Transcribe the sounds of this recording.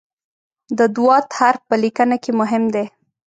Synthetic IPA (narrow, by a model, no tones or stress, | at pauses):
d̪əd̪uwɑt̪haɾpəlikənakemʊɦɪmd̪e